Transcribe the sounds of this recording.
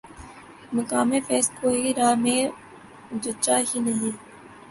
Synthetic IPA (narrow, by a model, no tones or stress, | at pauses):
mɐkaːmefɛːskoːiɾaːmẽ | d͡ʒət͡ʃaɦinɐɦĩ